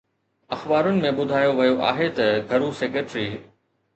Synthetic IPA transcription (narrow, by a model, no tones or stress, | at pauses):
ɐxbaːɾʊnɪ̆mẽɓʊd̪ʱaːjoʋɐjoʔa̰ːɦet̪ɐɡʱɐɾuseːkeʈɾiː